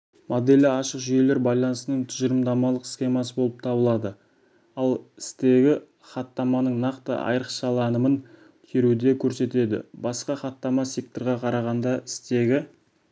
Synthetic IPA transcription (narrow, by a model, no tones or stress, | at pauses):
mod̪elɪɑʃəqʒʏje̞le̞ɾbɑjlˠɑnəsənəɴt̪ʰʏʒəɾəmd̪ɑmɑlˠəqsxʲe̞mɑsəbo̞lˠəp̚t̪ʰɑbəlˠɑd̪ə | ɑlˠɪst̪e̞ɡʲɪ | χɑt̪ːɑmɑnəɴnɑqt̪ə̰ʔɑ̰jɾəqʃɑlˠɑnəmən | k̪ʲʰeɾud̪e̞kʲʰɵɾse̞t̪e̞d̪ɪ̰bɑsqɑχɑt̪ːɑmɑse̞k̚t̪o̞ɾʁɑqʰɑɾɑʁɑnd̪ɑɪst̪e̞ɡʲɪ